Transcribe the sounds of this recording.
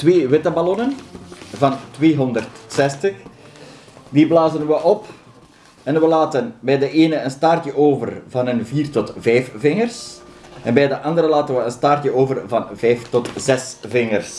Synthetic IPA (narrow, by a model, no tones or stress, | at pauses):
tʋeːʋɪtəbalɔnənvɑntʋeːɦɔndərtsɛstəx | diblaːzənʋəʔɔp | ɛnʋəlaːtənbɛjdəʔeːnəənstɑrtjəʔoːvə̰rvɑnənviːrtɔtvɛjfvɪŋərsʔɛnbɛjdəʔɑndəɾəlaːtənʋəənstaːrtjəʔoːvərvɑnvɛjftɔtzɛsvɪŋərs